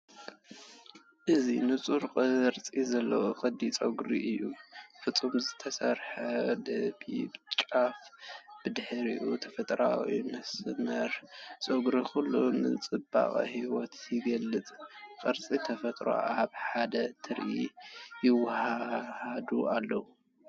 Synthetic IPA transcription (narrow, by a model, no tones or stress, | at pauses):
ʔɨzinɨt͡sʼuɾqʼɨɾt͡sʼizɐlːɐwoqʼɨd̪it͡sʼoɡɾiʔɨjːufɨt͡sʼumzɨt̪ʰɐsɐɾħɐd̪ɐbibɨt͡ʃʼafb̥ɨd̪ɨħɾiʔut̪ʰɐfɐt̪ʼɾa̰wḭmɐsmɐɾt͡sʼoɡɾixulːunɨ̰t͡sʼɨba̰χʼhiwɔt̪jɪɡɐlːɨt͡s̪ʼqʼɨɾt͡sʼit̪ʰɐfɐt̪ʼɾo̰aβħad̪ɐt̪ʰɨɾʔijɪwːahahd̪uʔalːɐwu